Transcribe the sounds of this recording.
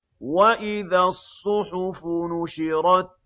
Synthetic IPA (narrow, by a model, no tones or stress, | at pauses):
waʔɪðaːsˤːʊħʊfʊnʊʃɪɾˤɑt̪̚